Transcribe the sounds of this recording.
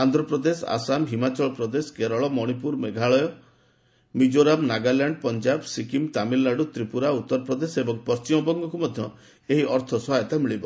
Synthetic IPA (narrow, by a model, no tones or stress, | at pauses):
and̪ɾɔpɾɔd̪esa̰samɦimat͡ʃɔɭɔpɾɔd̪esɔ̥ɡeɾɔɭɔmɔɽ̃ipuɾmeɡʱaɭɔjɔ | mid͡ʒoɾamnaɡaljaɳɖpɔnd͡ʒabsikimt̪amilːaɖut̪ɾipuɾaut̪ːɔɾɔpɾɔd̪esebɔŋpɔst͡ʃimɔbɔŋɡɔkumɔd̪ʱjɔ | eɦiɔɾt̪ʰɔsɔaet̪amiɭibɔ